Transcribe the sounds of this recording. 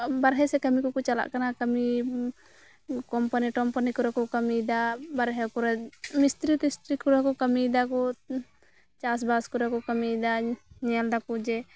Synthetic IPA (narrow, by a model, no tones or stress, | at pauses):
baɾɦɛsɛkəmikɔkɔt͡ʃala̰ʔkanakəmi | kɔmpaniʈɔmpanikɔɾakɔkəmid̪abaɾɦɛkɔɾɛmist̪ɾit̪ist̪ɾikɔɾakɔkəmid̪akɔ | t͡ʃas̬baskɔɾakɔkəmid̪aɲɛald̪akud͡ʒɛ